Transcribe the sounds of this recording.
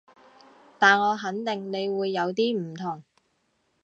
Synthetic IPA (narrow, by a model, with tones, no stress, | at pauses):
t̪aː˨nŋɔː˨˧ɦɐ˨˥nt̪ɪ˨˩ŋne˨˧jwuː˨˧jːɐ˨˧wt̪iː˥m̩˨˩t̪ʰʊ˨˩ŋ